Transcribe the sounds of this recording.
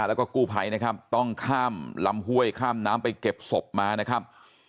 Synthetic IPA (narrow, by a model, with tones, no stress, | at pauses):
lɛ˦˥wkɔː˥˩kuː˥˩pʰa˨˦jna˦˥kʰa˦˥p̚t̪ɔ˥˩ŋkʰaː˥˩mla˦˥mhu˥˩əjkʰaː˥˩mnaː˦˥mpa˧jke˨˩p̚so˨˩p̚maː˧na˦˥kʰa˦˥p̚